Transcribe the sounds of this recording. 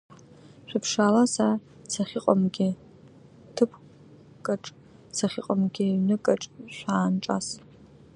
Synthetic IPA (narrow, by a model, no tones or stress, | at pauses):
ɕʷᶣɨpʰʂaːlasa | t͡sʰaχʲiqʼamɡʲɪ | tʰɨpʰ | kʼaʈ͡ʂʼ | t͡sʰaχʲiqʼamɡʲɪɥnɨkʼɐʈ͡ʂʼʃʷaːnʈ͡ʂʼa̰s